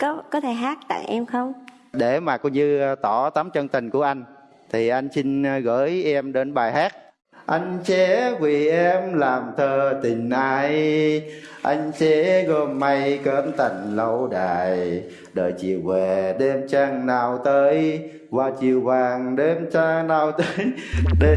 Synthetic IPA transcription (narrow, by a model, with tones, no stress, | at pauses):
kɔ˨˦kɔ˨˦t̪ʰe˧˩ɦaː˦˥k̚t̪a̰ː˧˨jʔɛ˧mxə˧wŋ͡m | ɗe˧˩maː˨˩kɔ˧ɲɨ˧t̪ɔ˧˩t̪aː˨˦mt͡ɕə˧nt̪ï˨˩ŋ̟ku˧˩əʔa˧jŋ̟ | t̪ʰi˨˩ʔa˧jŋ̟sï˧ŋ̟˧ɣə̰ː˧˦jʔɛ˧mɗe˨˦nɓaː˨˩jɦaː˦˥k̚ | ʔa˧jŋ̟sɛ˧˥vi˨˩ʔɛ˧mlaː˨˩mt̪ʰəː˧t̪ï˨˩ŋ̟ʔaː˧˩j | ʔa̰˧jŋ̟sɛ˧˦˥ɣɔ˧˩mːa˧jkəː˧˦nt̪a˨˩jŋ̟lə˨˧˦wɗaː˨˩j | ɗə̰ː˨˩jt͡ɕi˨˩əwvɛ˨˩ɗe˧mt͡ɕaː˧ŋnaː˧wt̪əː˨˦j | vaː˨˩t͡ɕi˨˩əwvaː˨˩ŋɗe˧mt͡ɕa˧ŋnaː˧wt̪əː˧˦j | ɗe˧